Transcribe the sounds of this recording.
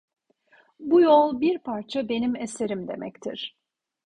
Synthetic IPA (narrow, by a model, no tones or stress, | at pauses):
bujo̞lˠbiɾpʰaɾt͡ʃʰabe̞nimese̞ɾimd̪e̞̰mʔɛ̰ct̪ʰḭɾ̥